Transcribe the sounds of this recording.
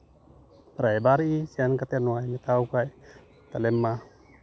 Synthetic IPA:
pɾajbaɾisiankat̪ɛnwajmit̪awkaj | t̪alɛmːa

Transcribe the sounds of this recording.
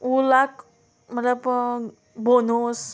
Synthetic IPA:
ulak | mət̪lab | bonos

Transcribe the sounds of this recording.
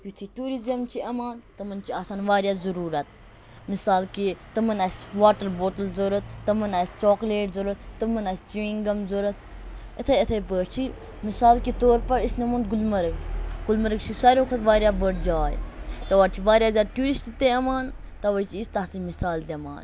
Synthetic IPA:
jut̪ʰiʈuːɾizɐmt͡ʃʰiʔɐmaːnt̪ɐmɐnt͡ʃʰiaːsaːnʋaːɾjaːzɐɾuːɾɐt̪̚ | misaːlkit̪ɐmɐnɐsʲʋaːʈɐɾboːʈəlzoɾɐt̪̚ːɐmɐnɐsʲt͡ʃoːkleːʈzoɾɐt̪t̪ɐmɐnɐsʲt͡ʃʋĩːŋɡɐmzoːɾɐt̪̚ʰ | ɐt̪ʰɐɐt̪ʰɐjpəːɾt͡ʃʰi | misaːlkit̪oːɾpɐɾisnɐmund̪̚ɡulmɐɾɐɡɡ̥ulmɐɾəkt͡ʃʰisɐɾʲjõːkʰɐt̪ʋaːɾjaːbəɽd͡ʒaːjt̪ɐʋaːɾt͡ʃʰiʋaːɾʲjaːzʲaːd̪̚ʈuːɾisʈit̪eɐmaːn | t̪ɐʋɐt͡ʃʰiist̪ɐt̪ʰimisaːld̪ʲɐma̰ːn

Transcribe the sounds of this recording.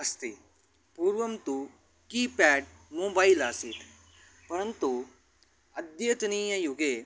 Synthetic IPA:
ɐst̪i | puːɾʋɐmt̪u | kiːpɛːɖ | moːbaːilaːsiːt̪ | pɐɾɐnt̪u | ɐd̪jɐt̪ɐniːjɐjuɡeː

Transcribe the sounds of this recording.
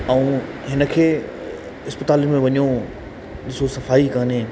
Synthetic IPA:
ɐũ | ɦɪnə̆kʰeː | ɪspət̪aːlimẽʋɐɲjo | ɗɪsosɐfaːikɐnẽː

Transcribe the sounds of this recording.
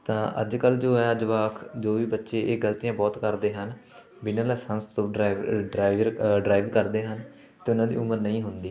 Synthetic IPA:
t̪ãːʔə̰d͡ʒkəld͡ʒoːɛad͡ʒəʋaːkʰd͡ʒoːʋiːbətːʃeːʔeːɡəlt̪ijãːbɔːt̪kəɾd̪eːɦən | bɪnãːlɛːsənst̪oɖɾaːɪʋəɾɖɾaːiʋkəɾd̪eːɦən | t̪eːʊnãːd̪ḭːʊməɾnəĩːɦʊnd̪iː

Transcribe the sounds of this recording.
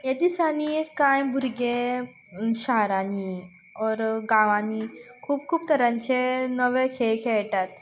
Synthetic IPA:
jɐd̪isanikãjbʱuɾɡe | ʃaɦɾani | ɔːɾɡaʋanikʰuːb̚kʰuːb̚t̪əɾãnt͡ɕenəʋekʰekʰeɭʈat̪

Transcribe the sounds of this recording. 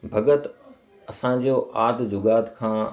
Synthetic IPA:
bʱɐɡət̪ | ɐsãd͡ʑoːʔaːd̪d͡ʑʊɡaːt̪kʰãː

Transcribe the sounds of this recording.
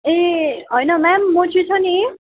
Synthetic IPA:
eɦojnʌmamːot͡sʰit͡sʰʌni

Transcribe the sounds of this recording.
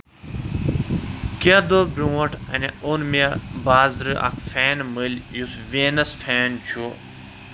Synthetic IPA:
kad̪oːbɾũwɐʈʰɐ̰neunmiabaːzɾɨʔa̰kʰfeːnmɨlʲjusʋeːnɐsfeːnt͡ɕʰu

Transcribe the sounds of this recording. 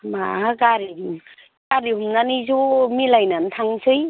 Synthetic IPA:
maaɡaɾiɦm | kaɾiɦumnanizomilajnantʰaŋsʰɯj

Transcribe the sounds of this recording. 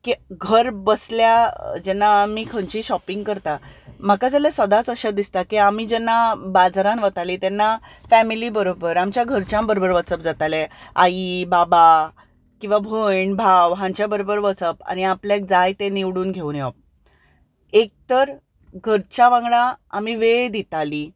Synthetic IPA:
kiɡʱəɾbəsljad͡ʑɛnːamiːkʰəɳt͡ɕiːɕɔpiŋɡkəɾt̪am̤akad͡zalesəd̪at͡səɕad̪ist̪akiamiːd͡ʑɛnːabad͡zaɾãnʋət̪alit̪ɛnːafæmilibəɾobəɾamt͡ɕjaɡʱəɾt͡ɕjãmbəɾobəɾʋət͡səp̚d͡zat̪aleaibaba | kĩw̃ʋabʱəɳbʱawɦãɲt͡ɕjabəɾobəɾʋət͡səpa̰ñiapljak̚d͡zajt̪ẽniʋɽuːnɡʱeuːnjɔp̚ | ek̚t̪əɾ | ɡʱəɾt͡ɕaʋãŋɡɭaːmiʋeɭd̪it̪ali

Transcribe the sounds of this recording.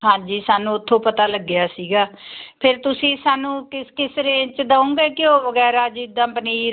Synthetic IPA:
ɦãːd͡ʒiːsaːnũːt̪ʰːõːpət̪aːləɡːɪjaːsiːɡaːpʰɪɾt̪ʊsĩːsaːnũːkɪskɪsɾẽːt͡ʃd̪aõːɡeːkɪõːʋəɡɛːɾaːd͡ʒɪd̪ãːpəniːɾ

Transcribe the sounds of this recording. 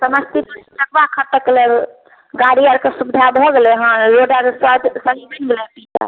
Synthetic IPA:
səməst̪ipənəkbakʰəʈəkelɛ | ɡaɾijəɾkesubd̪ʱabʱɔɡelɛɦãɾoɖəɾsəd͡ʒsəɦibənɡelɛpit͡ʃa̰

